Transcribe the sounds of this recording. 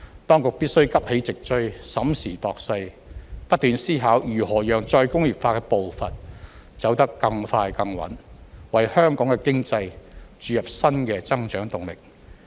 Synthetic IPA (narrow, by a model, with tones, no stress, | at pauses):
t̪ɔː˥ŋkʊ˨k̚piː˥t̚sɵ˥ɥkɐ˥p̚he˨˥jt͡sɪ˨k̚t͡ʃɵ˥sɐ˨˥msiː˨˩t̪ɔː˨k̚sɐ˧j | pɐ˥t̚t̪yː˨nsiː˥ɦaː˨˥wjyː˨˩hɔː˨˩jœː˨˩ŋt͡sɔː˧jkʊ˥ŋjiː˨p̚faː˧kɛ˧po˨wfɐ˨nt͡sɐ˨˥wt̪ɐ˥kːɐ˧ŋfaː˧jkɐ˧ŋwɐ̰˨˥nwɐ˨jhœː˥ŋkɔː˨˥ŋkɛ˧kɪ˥ŋt͡sɐ˧jt͡ʃyː˨˧jɐ˨p̚sɐ˥nkɛː˧t͡sɐ˥ŋt͡ʃœː˨˥ŋt̪ʊ˨ŋlɪ˨k̚